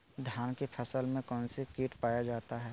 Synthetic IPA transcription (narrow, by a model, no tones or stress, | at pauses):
d̪ʱjaːnkepʰəsəlmẽkɔ̃ːnsekiːʈpaːjad͡ʒaːt̪aɦɛː